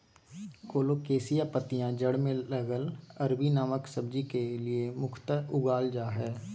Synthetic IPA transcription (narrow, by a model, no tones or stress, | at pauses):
koːloːkeːsijapət̪ijãd͡ʒəɽmẽləɡəlɐɾbinaːməksəbd͡ʒikeliemʊkʰt̪əʊɡaːld͡ʒaːɦɛː